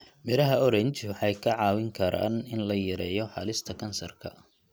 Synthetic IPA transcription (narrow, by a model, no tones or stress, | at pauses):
mɪɾɐɦɐɔɾɐnt͡ʃʰɪwħɑjkʰɐʕɑːwɪŋkʰɐɾa̰ːnɪnlɐjɐɾɛːjɔħɑ̰lɪst̪ʰɐkʰɐnsɐ̰rkʰɐ̰